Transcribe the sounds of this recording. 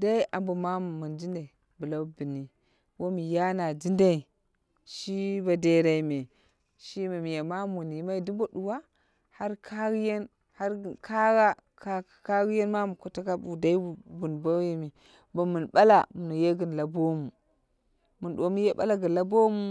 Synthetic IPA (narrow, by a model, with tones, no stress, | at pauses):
da˦i˦ʔa̰˨mbu˨ma˦m˨mu˨nd͡ʒi˦nda˨i˨ | bu˨la˦bi˨ni˨ | wo˦mi˨ja˦na˨d͡ʒi˦nda˦i˨ | ʃi˦ba˨de˦ɾa˨i˦me˨ | ʃi˦me˨mi˨ja˨ma˦mu˨ni˨˦ma˦i˦du˦bo˦ɗu˨wa˦ | ha˦ɾkʰa˦ɡi˦je˦n | ha˦ɾkʰa˦ɡa˦ | ka˦˨ka˦ɡi˦je˦nma˦mu˨ko˨ta˦ka˦bu˨da˦i˦˨bu˨nbo˦je˨mi˨ | bo˨mu˨nɓa˦la̰˨mu˨nu˨je˦ɡə˨n˨la˨bo˦mu˨ | mu˨nɗo˨mi˦je˦ba̰˦la˦ɡə˨n˨la˦bo˦mu˦